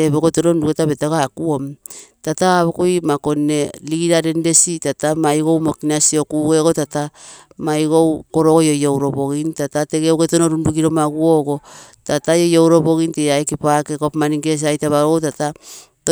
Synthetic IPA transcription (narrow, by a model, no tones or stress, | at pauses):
eβokotononduketaβetaɡakuomtataːβokojmako̞nːe̞liɡiɾaɾe̞nde̞sitatamajɡo̞wmokinasio̞kuɡe̞ɡotata | majɡowko̞ɾoɡojojowɾo̞bo̞ɡintatate̞ɡeowɡetonoɾunduɡiɾo̞maɡuoɡo | tatajojowɾo̞bo̞ɣinteaekipakekopmaniŋɡes̬ajtaβaootatat